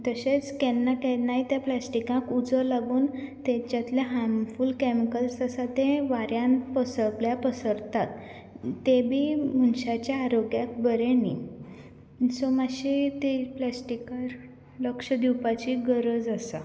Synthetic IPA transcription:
t̪əɕet͡skɛnːakɛnaɦit̪jãplasʈikãkud͡zəlaɡuːnt̪ɛ̃t͡ɕjat̪ljaɦãmfuːlkɛmikəlsəsat̪ẽʋaɾjãnpəsəkljapəsəɾt̪at̪ː | ebʱiːmunɕat͡ɕjaːɾoɡjak̚bəɾenḭ | sɔmaɕit̪iplasʈikaɾ | ləkʂəd̪iwpat͡ɕiɡəɾəd͡zəsa̰

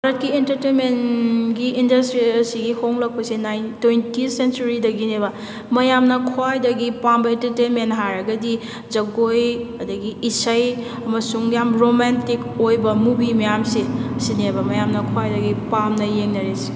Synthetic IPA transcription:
baɾɐt̚kientɐɾtenmenɡiindɐstɾisiɡihʰoŋlɐk̚pɐsinajntːojntisent͡ʃuɾidɐɡineβɐ | mɐjamnɐkʰwajdɐɡipambɐentɐɾtenmentɦaɾɐɡɐdi | d͡ʒɐɡojɐdɐɡiisɐj | ɐmɐsuŋjamɾomantikojbɐmubimɐjamsisinebɐmɐjamnɐkʰwajdɐɡipamnɐjeŋnɐɾesi̥

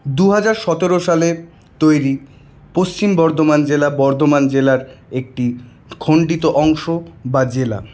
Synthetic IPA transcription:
d̪uɦad͡ʑaɾʃɔt̪eɾoʃale | t̪ojɾi | post͡ɕimbɔɾd̪omand͡ʑelabɔɾd̪omand͡ʑelaɾek̚ʈi | kʰoɳɖit̪oʔɔŋʃobad͡ʑela̰

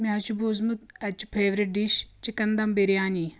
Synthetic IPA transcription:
meɦɐt͡ʃubuzmut̪̚ɐt͡ʃu̥pʰeːʋɾiʈ̚ɖiʃt͡ʃikɐnd̪ɐmbiɾjaːni

